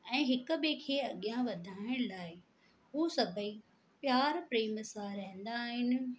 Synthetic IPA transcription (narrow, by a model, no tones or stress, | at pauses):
ɛ̃ːɦɪkʊ̆bekʰeːɐɠijãʋɐd̪ʱaːɪɽ̃laːɪ | ɦuːsɐbʱəi | pjaːɾpɾeːmsãɾɐɦɪ̃n̆d̪aːɦɪnɪ̆